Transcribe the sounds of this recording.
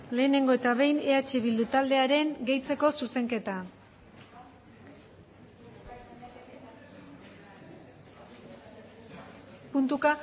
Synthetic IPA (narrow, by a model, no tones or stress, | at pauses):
le̞ːne̞ŋɡo̞e̞t̪aβ̞e̞jne̞at͡ʃeβild̪ut̪ald̪e̞aɾe̞ŋɡe̞jt͡se̞ko̞suse̞ŋke̞t̪a | punt̪uka